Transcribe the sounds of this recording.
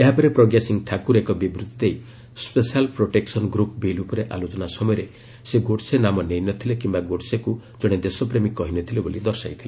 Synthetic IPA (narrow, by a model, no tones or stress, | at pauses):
eɦapɔɾepɾɔɡɾesiŋʈʰakuɾekɔbibɾut̪it̪ej | spesialpɾoʈeksɔnɡɾupbilupɔɾeʔalot͡ʃɔnasɔmɔjɔɾe | seɡoɽsenamɔnejnɔt̪ʰilekimbaɡoɽsekud͡ʒɔɽ̃ed̪esɔpɾemikɔɦinɔt̪ʰilebolid̪ɔɾsajt̪ʰile